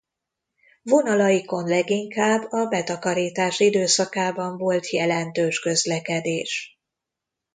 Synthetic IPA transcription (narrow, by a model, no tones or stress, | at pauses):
vo̞nɒlɒjiko̞nlɛɡiŋkaːbːɒbɛt̪ɒkɒɾiːt̪aːʃid̪øːsɒkaːbɒɱvo̞lt̪jɛlɛnt̪øːʃkø̞zlɛkɛd̪eːʃ